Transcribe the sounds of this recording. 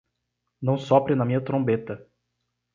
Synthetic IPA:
nɐ̃w̃sɔpɾɪnɐmĩɲɐt̪ɾõbet̪ɐ

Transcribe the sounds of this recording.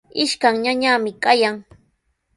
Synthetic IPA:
ɪʃkaŋɲaɲamɪkajaŋ

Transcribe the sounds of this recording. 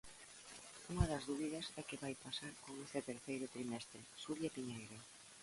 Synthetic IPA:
uŋɐðɐzðuβiðɐsɛkeβajpasaɾkoŋest̪ɪt̪eɾθejɾʊt̪ɾimɛst̪ɾɪʃuɾjapiɲejɾa

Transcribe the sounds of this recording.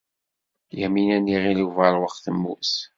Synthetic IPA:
jəminænːiʁiliuvæɾˤwəqːθəmːṵs

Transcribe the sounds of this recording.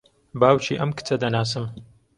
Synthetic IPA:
baːwt͡ʃḭːʔɐmkɨ̥t͡sɐd̪ɐnaːs̬ɨm

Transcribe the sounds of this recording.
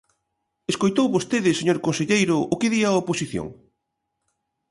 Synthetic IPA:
eskojt̪owβost̪eðɪseɲoɾkonseʎejɾʊʔʊkɪðiaoposiθjo̰ŋ

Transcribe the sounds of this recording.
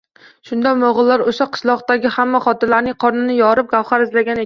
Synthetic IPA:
ʃʊnd̪amoʁɨlˠːaɾoʃaqʰɨ̥ʃlˠɒqt̪aɡʲɪhamːaχɒt̪ʰɪlaɾnɪŋqʰɒɾnɪnɪjɒɾɪp̚ɡ̥ʲawχaɾɪzlaɡʲane

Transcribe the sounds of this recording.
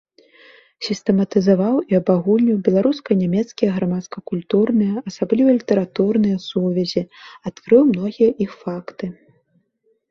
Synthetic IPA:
sʲist̪ɛmɐt̪ɨzavawiɐbaɣulʲnʲiwbʲɛlˠaɾuskɐjnʲamʲɛt̪skʲijɐɣɾamat̪skɐkulʲt̪urnɨjɐʔɐsablʲivɐlʲit̪ɛɾat̪urnɨjɐsuvʲɛzʲiat̪kɾɨwmnɔɣʲijɐʔixfakt̪ɨ

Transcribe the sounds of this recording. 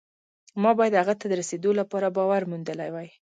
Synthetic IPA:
mɑbɑjad̪haɣat̪ad̪əɾased̪olapɑɾabɑwaɾmund̪əlajwaj

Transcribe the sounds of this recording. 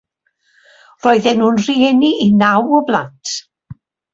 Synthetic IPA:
rɔɨðɛnuːnr̥iɛniʔinawɔblˠa̰ntʰ

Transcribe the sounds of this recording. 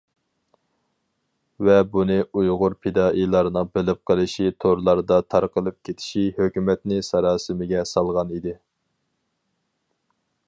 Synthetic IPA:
vɛbunɨʔujʁʊɾpʰed̪ɑːʔilˠɑɾnɨŋbɪlɪp̚qʰəlˠɨʃit̪ʰoɾlˠɑɾd̪ɑt̪ʰɑɾqəlˠɨp̚kʲʰet̪ʰɪ̥ʃihøkʲymɛt̪nɪsɑɾɑːsɨmɪɡʲɛsɑlˠʁɑnid̪ɪ

